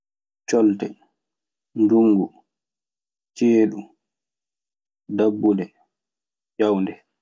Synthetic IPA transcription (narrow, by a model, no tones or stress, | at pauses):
t͡ʃɔltɛ | nduŋːɡu | t͡ʃeːɗu | dabːudɛ | d͡ʒawndɛ